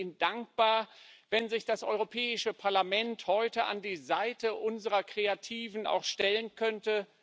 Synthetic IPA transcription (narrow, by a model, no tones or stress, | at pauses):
ɪnd̥aŋk̚b̥aːɐvɛnzɪçd̥asʔɔʏʁopʰɛːɪʃəpʰaɐlamɛnthɔʏtəʔa̰ndiːzaɪtəʔʊnzəʁɐkʁ̥eatʰiːvn̩a̰ʊxʃtɛlənkʰœntə